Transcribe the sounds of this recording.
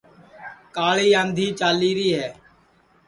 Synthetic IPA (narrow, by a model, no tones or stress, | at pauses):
kaːɭiːãːnd̪ʱiːt͡ʃaːliːɾiːɦɛː